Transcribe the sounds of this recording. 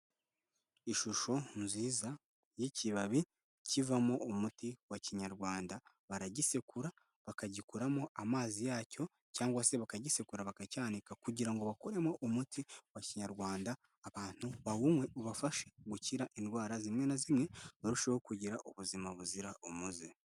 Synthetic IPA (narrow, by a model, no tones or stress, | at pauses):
iʃuʃo̞nziza | jiciβaβi | civamo̞umutiwaciɲaɾɡwaːnda | βaɾaɟisekuɾa | βakaɟikuɾamo̞ʔamaːzijaːco̞ | caːŋɡwase̞βakaɟisekuɾaβakacaːndikakuɟiɾaŋɡo̞βakoɾemo̞ʔumutʰiwaciɲaɾɡwaːndaː | βaːn̥huβawumwe̞ʔuβafaʃeɡuciɾaʔindwaːɾazimŋe̞nazimŋe̞noɾuʃehokuɟiɾaʔuβuzimaβuziɾaʔumuzi